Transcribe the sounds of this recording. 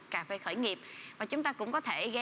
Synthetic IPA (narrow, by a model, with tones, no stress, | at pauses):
kaː˧˩fe˧˩˦xəː˧˩jŋi˨˩əp̚vaː˨˩t͡ɕʊ˨˦ŋ͡mt̪aː˧kʊ̰˧˥ŋ͡mkɔ˨˦t̪ʰe˧˩ɣɛ˧